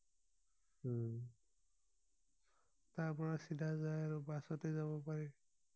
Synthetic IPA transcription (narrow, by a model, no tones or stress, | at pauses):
tapɔɹasidʱazajaɹubasɔtezaβɔpaɹi